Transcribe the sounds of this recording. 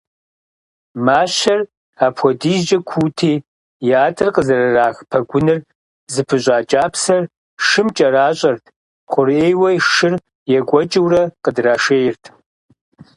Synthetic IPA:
maːɕɐr | aːpʰʷɔdiːzd͡ʒɐkʷʰuːtʰiː | jaːtʰɨrqəzɐrɐraːxpʰɐɡʷʊnɨr | zɨpʰɨɕʷʼaːt͡ʃʼaːpʰsɐr | ʃɨmt͡ʃʼɐɾaːɕʼɐrtʰ | qʷʊreːjwɐjʂɨr | jɛɡʷʼɔt͡ʃʼɪwrɐqədraːʂeːjɪrtʰ

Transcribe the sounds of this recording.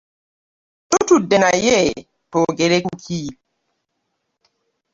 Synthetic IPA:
totudɛnajɛ | toɡeɾekukʰi

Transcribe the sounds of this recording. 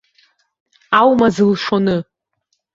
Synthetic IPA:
awmazɨlʂonɨ

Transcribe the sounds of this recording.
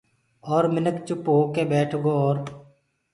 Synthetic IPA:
ɔːɾmɪnəkt͡ʃʊpɦoːkeːbeːʈʰɡoːɾ

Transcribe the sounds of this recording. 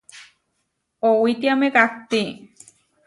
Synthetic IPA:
owit̪iamekak̚t̪i

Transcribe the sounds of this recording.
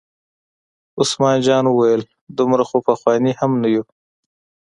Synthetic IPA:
ʊsmɑːnd͡ʒɑːnuwajəl | d̪ʊmɾaxopaxwɑːnihamnaju

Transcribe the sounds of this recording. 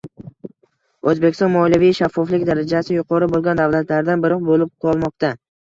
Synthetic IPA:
ɵzbekʲɪ̥sɒnmɒlijavijʃafːɒflɪkʲd̪aɾad͡ʒasɪjʊqʰɒɾɪbolˠɡʲand̪avlat̪ʰlaɾd̪anbɪɾɒqbolɪp̚qʰɒlˠmɒqt̪a

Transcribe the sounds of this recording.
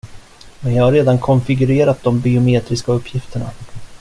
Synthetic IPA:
mɛnjɑːhaɾeːd̪ankʰɔnfɪɡɵɾeːɾat̪̚d̪ɔmbɪʊmeːt̪ɾɪskaɵpːjɪft̪ʰəɳa̰

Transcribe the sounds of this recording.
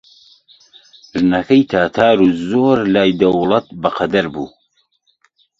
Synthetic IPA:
ʒɨnɐkʰɐjt̪ʰaːt̪ʰaːɾuːzoːɾlaːjd̪ɐwlˠɐt̪̚bɐqʰɐd̪ɐɾbṵː

